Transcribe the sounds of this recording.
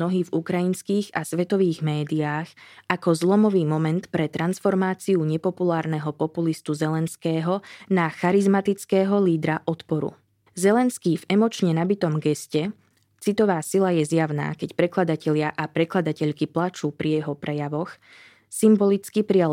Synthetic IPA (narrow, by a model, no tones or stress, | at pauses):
nɔɦiːvukɾajinskiːɣasʋɛt̪ɔʋiːɣmɛːd̪iaːxakɔzlˠɔmɔʋiːmɔmɛnt̪pɾɛt̪ɾansfɔɾmaːt͡siuɲɛpɔpulaːɾnɛɦɔpɔpulist̪uzɛlɛnskɛːɦɔnaxaɾizmat̪it͡skɛːɦɔliːd̪ɾaʔɔt̪pɔɾṵ | zɛlɛnskiːvɛmɔt͡ʃɲɛnabit̪ɔmɡɛscɛ | t͡sit̪ɔʋaːsilajɛzjaʊna̰ːkɛcpɾɛklad̪acɛʎɪaʔapɾɛklad̪acɛʎkiplat͡ʃuːpɾijɛɦɔpɾɛjaʋɔx | simbɔlit͡skipɾia